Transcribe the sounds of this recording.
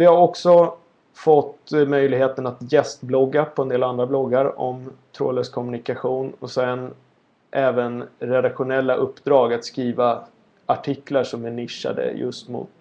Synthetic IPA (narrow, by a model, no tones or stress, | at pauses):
vɪhaɾɔksɔ | fɔt̪ːmœjlɪɡheːt̪ənat̪jɛst̪blɔɡːapʰɔɛnd̪eːland̪ɾablɔɡːaɾɔ̰mt̪ʰɾo̰ːləskʰɔmɵnɪkaɧuːnɔsɛn | ʔɛːvənɾɛd̪akɧʊnɛlːaʔɵpːd̪ɾɑːɡat̪skɾiːva | aʈʰɪklaʂɔmɛnɪʂːa̰d̪ə̰jɵ̰st̪mʊ̰t̪